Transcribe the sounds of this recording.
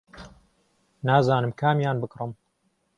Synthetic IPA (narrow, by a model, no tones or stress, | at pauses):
naːzaːnɨmkʰaːmjaːnbɨkrɨm